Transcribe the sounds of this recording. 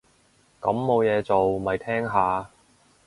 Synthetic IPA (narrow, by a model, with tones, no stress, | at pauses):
kɐ˨˥mːo˨˧wjɛː˨˧t͡so˨wmɐ˨jt̪ʰɛː˥ŋɦaː˨˧